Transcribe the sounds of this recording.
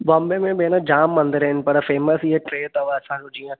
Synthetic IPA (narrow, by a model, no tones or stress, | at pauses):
bɔ̃ːmbemẽbenad͡ʒaːmːɐ̃nd̪əɾɦɪn̆pɐɾfeːməsiɦeʈɾeːt̪ɐʋasãːũd͡ʒijã